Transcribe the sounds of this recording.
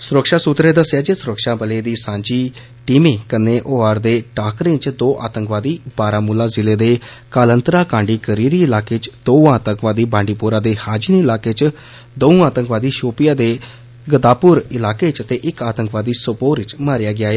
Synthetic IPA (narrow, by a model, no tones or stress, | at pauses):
sʊɾəkʃaːsut̪ɾeːd̪əsːjaːd͡ʒesʊɾəkʃaːbəleːd̪iːsãːɲd͡ʒiː | ʈiːmẽːkəneːʔoːaːɾd̪eːʈaːkɾẽt͡ʃd̪oːʔa̰ːt̪əŋkʋaːd̪iːbaːɾaːmuːlaːzɪleːd̪eːkaːlənt̪ɾaːkãːɳɖiːkəɾiːɾiːɪlaːkeːt͡ʃd̪oːaːt̪əŋkʋaːd̪iːbãːɳɖiːpuːɾãːd̪eːhaːd͡ʒinːɪlaːkeːt͡ʃ | d̪əũaːt̪ə̃ŋkʋaːd̪iːʃoːpɪjaːd̪eː | ɡəd̪aːpʊɾɪlaːkeːt͡ʃət̪eːʔɪkaːt̪əŋkʋaːd̪iːsəpoːɾɪt͡ʃmaːɾɪjaːɡɪaːeː